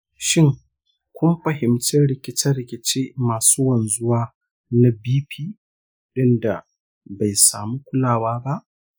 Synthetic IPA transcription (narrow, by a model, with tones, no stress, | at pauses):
ʃɪ˦ŋ | kʷʰʊ˦mɸɐ˨ɦɪ˨mt͡ʃɪ˦nɽɪ˨kʲɪ˦t͡ʃɐ˦rɽɪ˨kʲɪ˨t͡ʃeː˦maː˨suː˦wɐ˨nzʊ˦waː˦ | na˦biː˦ɸʰiː˦ | ɗɪ˦nda˨ | ba˨jsaː˨mu˦kʷʊ˦laː˨waː˦ba˦ʔ